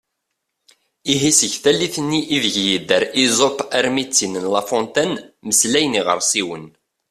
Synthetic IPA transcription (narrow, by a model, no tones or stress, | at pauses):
iɦisəʝθælːiθənːiʔːðəʝjid̪ːəɾizopæɾmit͡sːinənlafɔ̃nt̪ænməslæjəniʁə̰ɾˤsiwən